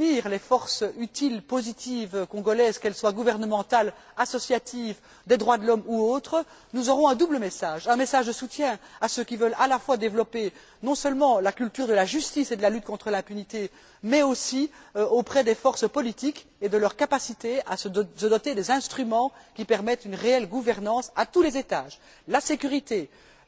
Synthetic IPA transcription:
niːʁlefɔʁsyt̪ilpozit̪ivkɔ̃ɡɔlɛzkɛlswaɡuvɛʁnəmɑ̃t̪al | asɔsjat̪iv | d̪ed̪ʁwad̪əlɔmuoːt̪χə | nuzɔʁɔ̃ɛ̃d̪ubləmɛsaːʒɛ̃mesaʒd̪əsut̪jɛ̃asøkʲivœlalafwad̪evlɔpe | nɔ̃səlmɑ̃lakʲylt̪yːʁd̪əlaʒyst̪ised̪əlalyt̪̚kɔ̃t̪χəlɛ̃pynit̪e | mɛosiøopχɛd̪efɔʁsəpɔlit̪ik | ed̪əlœʁkapasit̪easəsəd̪ɔt̪ed̪ezɛ̃st̪χymɑ̃kʲipɛʁmɛt̪ynʁeɛlɡuvɛʁnɑ̃sat̪ulezet̪aːʒ | lasekʲyʁit̪e

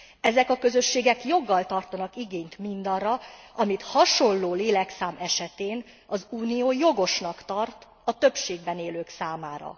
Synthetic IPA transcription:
ɛzɛkɒkø̞zø̞ʃːeːɡɛkjo̞ɡːɒlt̪ɒrt̪ɒnɒkiɡeːɲt̪mind̪ɒrːɒɒmit̪hɒʃo̞llloːleːlɛksaːmɛʃɛt̪eːn | ɒzuːnijoːjo̞ɡo̞ʃnɒkt̪ɒrt̪ | ɒt̪ø̞pʃeːɡ̚bɛneːløːksaːmaːɾɒ̰

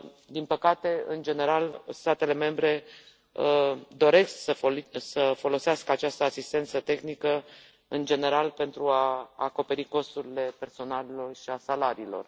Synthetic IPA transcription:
d̪inpəkat̪e̞ɨ̰nd͡ʒe̞ne̞ɾalst̪at̪e̞le̞me̞mbɾe̞ | d̪o̞ɾe̞sksəfosəfo̞lo̞seaskəat͡ʃast̪əasist̪e̞nt̪sət̪e̞xnikə | ɨnd͡ʒe̞ne̞ɾalpe̞nt̪ɾuaːko̞pe̞ɾiko̞st̪uɾile̞pe̞rso̞nalelo̞rʃiasalaɾiːlo̞̰r

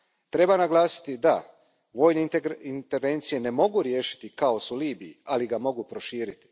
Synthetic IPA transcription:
t̪ɾe̞banaɡlˠaːsi̥t̪id̪a | ʋo̞ːjneint̪e̞ɾʋe̞ːnt̪sije̞ne̞mo̞ɡuɾjeːʃi̥t̪ikao̞suliːbijialiɡamo̞ɡupɾo̞ʃiːɾit̪i̥

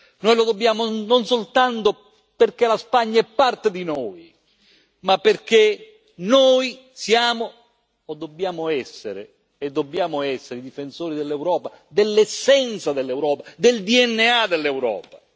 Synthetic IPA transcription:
nojlod̪obːjaːmononsolt̪ant̪o | perk̟elaspaɲːaɛpːart̪ed̪inoːj | mapːerk̟e | noj | sjaːmoː | d̪ːobːjaːmoɛsːḛɾḛ | ed̪ːobːjaːmoɛsːeɾeid̪ifensoːɾid̪elːewɾɔːpad̪elːɛsːɛnt̪sad̪elːewɾɔːpad̪eld̪iɛnːead̪elːewɾɔ̰ːpa

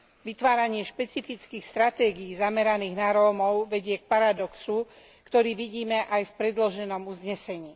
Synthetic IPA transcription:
ʋit̪ʋaːɾaɲɪɛʃpɛt͡sifit͡skiːxst̪ɾat̪ɛːɡiːzamɛɾaniːɣnaɾɔːmɔʊʋɛɟɪɛk̚paɾad̪ɔksu | kt̪ɔɾiːʋiɟiːmɛʔajfpɾɛd̪lɔʒɛnɔmuzɲɛsɛɲiː

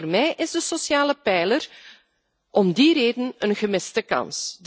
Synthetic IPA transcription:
rmɛjʔɪzdəsosjaːləpɛjlər | ʔɔmdiɾeːdənənɣəmɪstəkɑ̰nsd

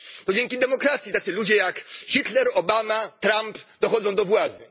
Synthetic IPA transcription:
t̪ɔd͡ʑeŋkʲid̪ɛmɔkɾat̪sʲit̪at̪sɘlud͡ʑɛjakxʲit̪lɛɾɔbamat̪ɾampd̪ɔxɔd̪zɔ̃w̃d̪ɔvwad̪zɘ

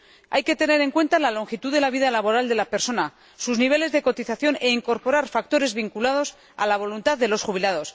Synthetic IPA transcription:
a̰jke̞t̪e̞ne̞ɾe̞ŋkwe̞nt̪alalo̞ŋxit̪uðe̞laβ̞iðalaβo̞ɾald̪e̞lape̞ɾso̞na | suzniβ̞e̞le̞zðe̞ko̞t̪iθaθjo̞ne̞iŋko̞ɾpo̞ɾaɾfak̚t̪o̞ɾe̞zβiŋkulað̞o̞s | a̰laβ̞o̞lunt̪aððe̞lo̞sxuβ̞ilað̞o̞s

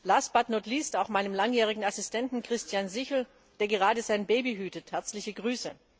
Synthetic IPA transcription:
laːsb̥atnotliːstaʊxmaɪnəmlaŋjɛːʁ̞ɪɡŋ̩asɪstʰɛntn̩kʁ̥ɪstʰjanzɪçl̩ | d̥eːɐɡəʁ̞aːdəzaɪnbeːbiɦyːtəthɛɐt͡slɪçəɡʁyːsə

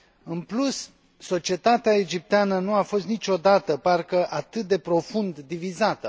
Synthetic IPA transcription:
ɨnplus | so̞t͡ʃie̞t̪at̪eaed͡ʒip̚t̪eanənuafo̞st̪nit͡ʃo̞d̪at̪əparkəʔat̪ɨt̪̚d̪e̞pɾo̞fund̪ːivizat̪ə

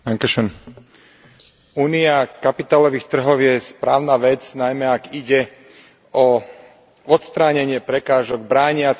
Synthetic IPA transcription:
aŋkɛʃɛn | uːniakapit̪aːlɔʋiːxt̪r̩ɦɔʊjɛspɾaːʊnaːʋɛt͡snajmɛaɡiɟɛ | ɔ | ɔt̪st̪ɾaːɲɛɲɪɛpɾɛkaːʒɔɡ̚bɾaːɲɪat͡s

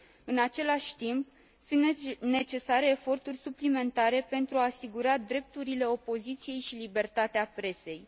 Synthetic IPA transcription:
ɨnat͡ʃe̞laʃʲt̪imp̚ | sɨnne̞t͡ʃe̞saɾe̞ːfo̞rt̪urʲsuplime̞nt̪aɾe̞pe̞nt̪ɾuaːsiɡuɾad̪ɾe̞p̚t̪uɾile̞o̞po̞zit̪sije̞jʃilibe̞rt̪at̪eapɾe̞se̞j

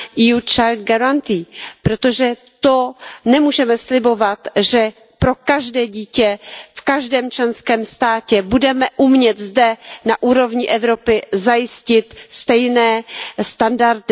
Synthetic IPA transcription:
ʔijut͡ʃajld̪̚ɡaɾant̪iːpɾot̪o̞ʒɛ | t̪onɛmuːʒɛmɛslɪbo̞vat̪ʒɛ | pɾo̞kaʒdɛːɟiːcɛfkaʒdɛːmt͡ʃlɛnskɛːmst̪aːcɛbudɛmɛʔumɲɛt̪zdɛnaʔuːɾo̞vɲɪʔɛvɾo̞pɪzajɪscɪt̪st̪ɛjnɛːst̪andaɾt̪ɪ

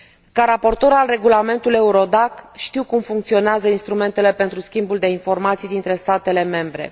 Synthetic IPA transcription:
kaɾapo̞rt̪o̞ɾalre̞ɡulame̞nt̪ule̞uɾo̞d̪akʃt̪iwkumfuŋk̚t̪sio̞neazəinst̪ɾume̞nt̪e̞le̞pe̞nt̪ɾuskʲimbuld̪e̞info̞rmat̪sijd̪int̪ɾe̞st̪at̪e̞le̞me̞mbɾe̞̰

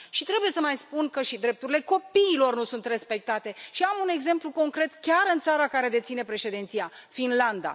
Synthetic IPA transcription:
ʃit̪ɾe̞buje̞səmajspunkəʃid̪ɾe̞p̚t̪uɾile̞ko̞piːlo̞rnusunt̪re̞spe̞k̚t̪at̪e̞ʃiamune̞ɡze̞mpluko̞ŋkɾe̞t̪kʲaɾɨnt̪saɾakaɾe̞d̪e̞t̪sine̞pɾe̞ʃe̞d̪ent̪sijafinland̪a̰

